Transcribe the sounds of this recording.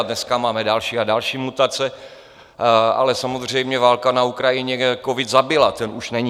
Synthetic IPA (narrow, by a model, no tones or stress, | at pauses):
dnɛskamaːmɛdalʃiːadalʃiːmut̪at͡sɛ | a̰lɛsamo̞zr̝ɛjmɲɛvaːlkanaukɾajɪɲɛkovɪd̪zabɪlat̪ɛnuʃnɛɲi